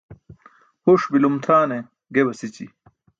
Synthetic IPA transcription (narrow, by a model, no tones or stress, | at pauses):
huʂbilumt̪ʰaːne | ɡebɐsit͡ɕḭ